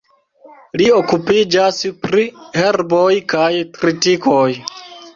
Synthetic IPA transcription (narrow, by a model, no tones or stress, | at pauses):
liokupid͡ʒaspɾiheɾbojkajkɾitikoj